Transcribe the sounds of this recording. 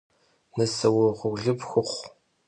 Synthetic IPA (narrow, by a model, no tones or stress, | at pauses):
nɐsɐwʊʁʷʊɮɨpxʷʊχʷ